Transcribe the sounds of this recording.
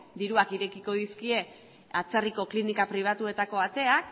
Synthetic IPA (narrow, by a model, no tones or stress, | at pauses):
d̪iɾuakiɾe̞kiko̞ð̞iskie̞ | at͡seriko̞klinikapɾiβ̞at̪ue̞t̪ako̞at̪e̞ak